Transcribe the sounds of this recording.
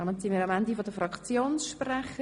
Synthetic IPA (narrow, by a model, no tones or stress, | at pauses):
ɑmənsimiːɾɑmænd̪ifodəfɾɑkt͡sjoːnsʃprɛχə